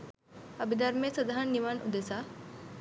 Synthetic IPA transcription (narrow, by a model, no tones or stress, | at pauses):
ɐbid̪ɐɾmesɐd̪aɦanːiʋanṵd̪esa